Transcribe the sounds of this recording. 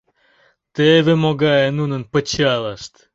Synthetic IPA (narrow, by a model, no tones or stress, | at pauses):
t̪evemoɡɑjenunənpət͡ɕɑlˠɑʃt̪